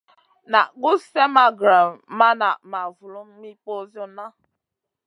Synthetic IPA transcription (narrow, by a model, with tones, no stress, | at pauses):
na̰˨ɡu˦sɛ˦ma˦ɡɾa˨mma˦na˨ma˨vu˨lu˦m̩˦mi˦po˦zjo˦na˦